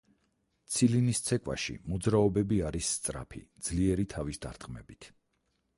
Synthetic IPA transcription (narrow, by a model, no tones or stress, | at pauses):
t̪sʰilinist̪sʰɛkʼwa̰ʃḭmɔd̪zɾaɔbɛbiaɾisːt̪sʼɾa̰pʰḭd̪z̥liɛɾit̪ʰavisd̪aɾt̪ʼqʼmɛ̰bit̪ʰ